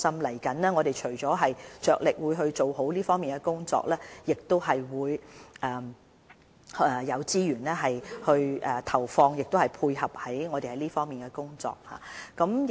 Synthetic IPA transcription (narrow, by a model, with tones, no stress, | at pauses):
sɐ˥mlɐ˨˩jkɐ˨˥nlɛː˥ŋɔː˨˧ɾe˨jt͡ʃʰɵ˨˩ɥt͡sɔː˨˥ɦɐ˨jt͡ʃœː˨k̚lɪ˨k̚wuː˨˧jɦɵ˧ɥt͡ʃo˨wɦo˨˥wliː˥fɔː˥ŋmiː˨nɡɛ˧kʊ˥ŋt͡sɔ̰ː˧k̚lɛː˥jɪ˨k̚t̪o˥wɦɐ˨jwuː˨˧jʔɛː˧ | hjɐ˨˧wt͡siː˥jyː˨˩nlɛː˥ɦɐ˨jhɵ˧ɥʔɛ˨t̪ʰɐ˨˩wfɔː˧ŋjɪ˨k̚t̪o˥whɐ˨jpʰuː˧jhɐ˨p̚hɐ˨˥jŋɔː˨˧ɾe˨hɐ˨˦jliː˥fɔː˥ŋmiː˨nkɛ˧kʊ˥ŋt͡sɔ̰ː˧k̚ha̰ː˨kɐ˨˥m